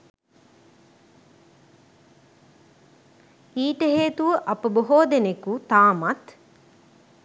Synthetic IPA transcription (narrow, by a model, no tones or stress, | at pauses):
iːʈəɦeːt̪uʋəʔɐpəboɦoːd̪enekut̪aːmɐt̪